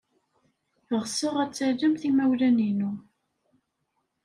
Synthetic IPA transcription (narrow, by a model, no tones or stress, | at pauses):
ʁsəʁæt͡sːəʕd͡ʒəmθimæwlæninu